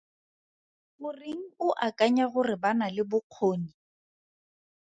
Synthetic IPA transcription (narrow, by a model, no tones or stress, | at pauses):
bʊriŋ̩ʊʔakʼaɲaɣʊrɪbanalɪbʊq͡χʰoːni